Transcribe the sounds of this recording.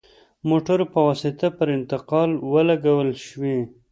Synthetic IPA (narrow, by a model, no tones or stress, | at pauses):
moʈaɾpəwɑsɪt̪apəɾɪnt̪ɪqɑlwəlaɡawəlʃwi